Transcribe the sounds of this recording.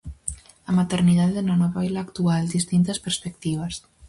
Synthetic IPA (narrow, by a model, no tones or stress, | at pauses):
amat̪eɾniðaðeðunanɔβajlaːkt̪uald̪ist̪int̪aspeɾspek̚t̪iβ̞as